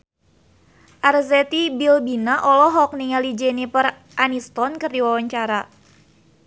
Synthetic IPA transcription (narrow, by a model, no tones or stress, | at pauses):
ʔarzɛt̪ibilbinaʔɔlɔɦɔk̚niŋalid͡ʒɛnipər | ʔanist̪ɔnkɨrdiwawaɲt͡ʃaɾa